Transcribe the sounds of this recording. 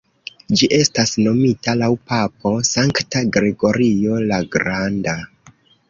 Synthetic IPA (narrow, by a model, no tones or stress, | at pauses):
d͡ʒiʔe̞stasno̞mitalawpap̚o̞saŋktaɡɾe̞ɡo̞ɾio̞laɡɾanda